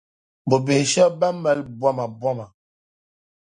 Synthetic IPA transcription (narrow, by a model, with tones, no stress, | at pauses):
bo˨be˨ʃə˦ba˦mə˦lbwa˦ma˨bwa˦ma˨